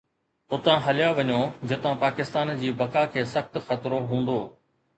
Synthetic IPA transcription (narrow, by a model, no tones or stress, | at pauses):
ʊt̪ãɦɐlɪjaʋɐɲoːd͡ʑɪt̪ãpaːkɪst̪aːnd͡ʑiːbɐkakʰeːsɐxt̪xɐt̪ɾoɦũːn̆d̪oː